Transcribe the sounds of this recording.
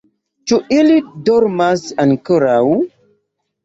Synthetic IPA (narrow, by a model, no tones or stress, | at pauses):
t͡ʃuʔilidɔɾmasankəɾaw